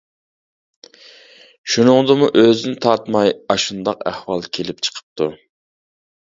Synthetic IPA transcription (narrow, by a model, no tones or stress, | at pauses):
ʃunɨŋd̪ɨmuʔøzɪnɪt̪ʰɑɾt̪mɑjɑʃund̪ɑqæ̰hwɑlˠkʲʰelɪpt͡ʃʰə̥qʰə̥p̚t̪ʰu